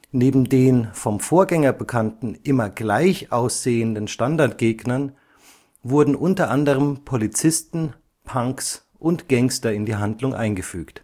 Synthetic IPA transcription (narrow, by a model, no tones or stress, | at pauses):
neːbm̩deːnfɔmfoːɐɡɛŋɐbəkʰantn̩ʔɪmɐɡlaɪçʔaʊsz̥eːəndənʃtandaɐtɡ̥eːɡnɐn | vʊɐdn̩ʔʊntɐʔandəʁ̞əmpʰolit͡sɪstn̩ | pʰaŋks | ʔʊntɡ̥ɛŋstɐɪndiːɦandlʊŋʔa̰ɪnɡəfyːkt